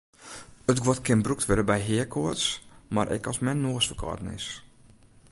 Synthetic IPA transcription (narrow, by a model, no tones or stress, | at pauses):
ətɡwɔtkɪnbruk̚tʋɪdəbɛjɦɪəkʰʊətsmarʔɛ̰kɔsmɛnnːoːəsfəkʰɔ̰ːtn̩ɪ̰s